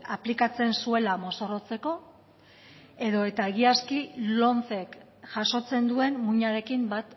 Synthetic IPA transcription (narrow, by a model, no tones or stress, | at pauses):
aplikat͡se̞nsue̞lamo̞so̞ro̞t͡se̞ko̞ | e̞ðo̞e̞t̪aeɣ̞iaskilo̞nfe̞k | ʝaso̞t͡se̞nd̪ue̞nmuɲaɾe̞kimbat̪